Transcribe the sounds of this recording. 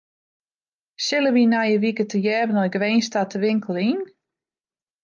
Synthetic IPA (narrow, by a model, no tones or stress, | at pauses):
sɪləʋinajəʋikətəjɛːvənɔjɡʋejnstatəʋɪŋkəl̩ˠin